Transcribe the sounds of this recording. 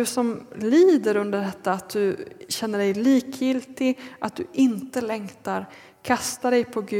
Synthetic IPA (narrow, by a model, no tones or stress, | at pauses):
ɵsɔmliːd̪əɾɵnd̪əɖɛt̪ːaːt̪̚d̪ɵɕɛnːəɖɛjliːkjɪlt̪ɪɡʔat̪̚d̪ɵʔɪnt̪əlɛŋt̪aɾ | kʰast̪aɾɛjpʰɔɡʉ